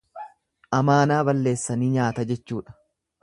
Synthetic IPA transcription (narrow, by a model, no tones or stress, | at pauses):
ʔɐmaːnaːbɐlːe̞ːsːɐniːɲaːt̪ɐd͡ʒɛt͡ʃːuːᶑɐ̥